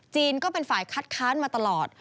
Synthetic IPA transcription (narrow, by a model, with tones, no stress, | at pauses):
t͡ɕiː˧nkɔː˥˩pe˧nfaː˨˩jkʰa˦˥t̪̚kʰaː˦˥nmaː˧t̪a˧lɔː˨˩t̪̚